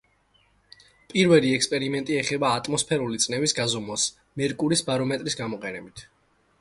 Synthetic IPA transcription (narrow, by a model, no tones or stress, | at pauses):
pʼiɾvɛliɛkspʼɛɾimɛnt̪ʼiɛχɛbaːt̪ʼmɔspʰɛɾulit̪sʼnɛvisɡazɔmɔs | mɛɾkʼuɾisbaɾɔmɛt̪ʼɾisɡamɔqʼɛnɛbit̪ʰ